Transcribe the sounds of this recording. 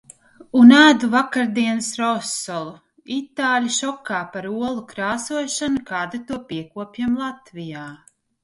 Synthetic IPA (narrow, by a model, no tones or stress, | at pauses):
unæːd̪uvakaɾd̪iɛnsɾɔsɔlˠu | it̪aːlʲaʃɔkaːpaɾuɔlˠukɾaːsuɔʃanukaːd̪ut̪uɔpiɛkuɔpʲjiɛmlˠat̪vijaː